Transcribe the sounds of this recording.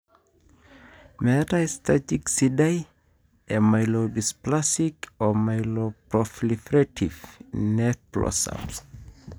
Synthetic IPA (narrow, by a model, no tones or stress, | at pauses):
mɛtastʰatiksidaj | ʔemaɪlodisplasikɔmaɪlopɹɔflifɹɛtʰivnɛθplɔ̰sa̰ls